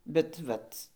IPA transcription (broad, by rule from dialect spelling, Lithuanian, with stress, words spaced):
bʲɛt ˈʋɐt